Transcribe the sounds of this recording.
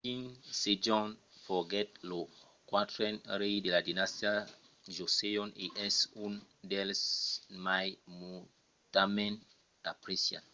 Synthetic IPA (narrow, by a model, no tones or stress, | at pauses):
kĩŋsed͡ʒɔ̃nfɔɡɛtlo | kwatɾɛnɾejdeladinastia | d͡ʒosejɔ̃niʔɛsundɛlsmajmu | tamɛ̃n | apɾisia̰n